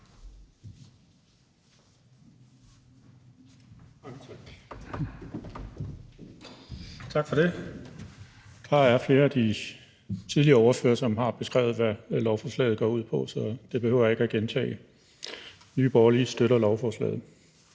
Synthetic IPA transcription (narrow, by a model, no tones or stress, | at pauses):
t͡sʰɑ̈ɡ̥fɒd̥e̝ | d̥ɑ̈æɐfle̝ːɐæd̥i | t͡sʰiðˠliɐɒʊɐfø̰ːɐsɒ̽mhɑ̈b̥e̝sɡ̥ʁɛ̰ʊð̞̩ˠʋælɒʊfɒːslɛ̰ːð̩ˠɡ̥ɒ̰ːuð̰ˠpʰɒ̽sɒ̽d̥e̝b̥e̝høʊ̰ɐe̝ɡ̥æɡ̥ent͡sʰɛ̰ːɪ | nyːb̥ɒːɐlisd̥øɾɐlɒʊfɒːslɛ̰ːð̩ˠ